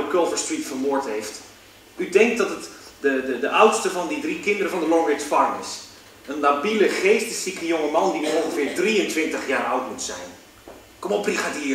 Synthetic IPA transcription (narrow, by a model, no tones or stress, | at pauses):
əkølˠvəɹstritfəɹmʊːɹtɦejft | ydɛŋk̚dɑtətdədədəʔʌwtstəvɑndidrikɪndəɾəvɑndəlɔŋʋɪkspɑɹnə̰s | ənlabiləχejstəsikəjʊŋəmɑndiɔnχəvɪːɹdriəntʋɪntəχjaːɹʌwtmutsɛ̰jn | kɔmɔpiχaːtiː